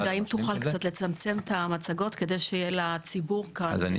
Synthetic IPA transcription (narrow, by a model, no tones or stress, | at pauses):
aimt̪uχalkt͡sat̪le̞t͡samt͡se̞mt̪amat͡saɡo̞t̪ke̞d̪e̞jʃejelat͡sibuʁka̰a̰n